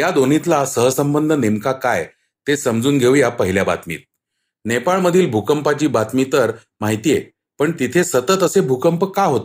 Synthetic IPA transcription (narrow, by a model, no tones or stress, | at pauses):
jad̪on̤it̪lasəɦəsəmbənd̪ʱənemkakaj | t̪esəmd͡zuːnɡʱeʋjapəɦiljaba̰t̪mḭːt̪̚ | nepaɭməd̪ʱiːlbʱukəmpat͡ɕiːbat̪mit̪əɾ | maɦit̪ije | pəɳt̪it̪ʰesət̪ət̪əsebʱukəmpəkaɦot̪e